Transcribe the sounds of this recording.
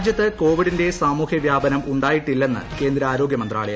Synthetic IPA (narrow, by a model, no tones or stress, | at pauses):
d͡ʑjɐt̪ːɨko̞ːʋiɽinde̞saːmuːhjɐʋjaːbɐnɐmuɳɖaːjiʈːilːe̞nːɨ̰ke̞ːnd̪ɾɐaːɾo̞ːɡjɐmɐnd̪ra̰ːɭej